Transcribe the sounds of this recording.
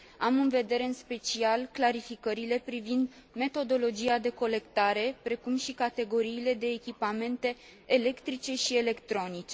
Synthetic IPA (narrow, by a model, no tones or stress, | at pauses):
amɨnve̞d̪e̞ɾe̞ɨnspe̞t͡ʃialklaɾifikəɾile̞pɾivind̪ | me̞t̪o̞d̪o̞lo̞d͡ʒiad̪e̞ko̞le̞kt̪aɾe̞pɾe̞kumʃikat̪e̞ɡo̞ɾiːle̞d̪e̞ːkʲipame̞nt̪e̞ː | le̞kt̪ɾit͡ʃe̞ʃie̞le̞kt̪ɾo̞nit͡ʃe